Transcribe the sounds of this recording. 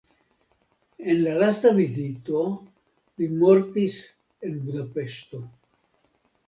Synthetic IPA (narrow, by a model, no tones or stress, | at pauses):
e̞nlalast̪aβizit̪o̞ | limo̞ɾt̪is | e̞nbud̪ape̞ʃt̪o̞